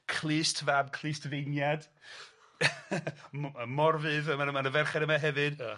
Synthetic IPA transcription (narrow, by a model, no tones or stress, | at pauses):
kʰl̥ˠɨːstʰvab̚kʰl̥ˠɨːstʰvejnjad̥ | əmɔrvɨðəmanəmanəvɛrχɛɾəmaɦɛvɨd̥